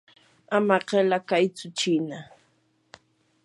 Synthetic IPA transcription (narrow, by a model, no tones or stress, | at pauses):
amaɢelakajt͡sʊt͡ʃɪna